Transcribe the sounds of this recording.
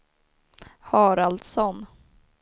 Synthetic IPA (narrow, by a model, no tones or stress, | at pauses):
hɑːɾald̪sɔn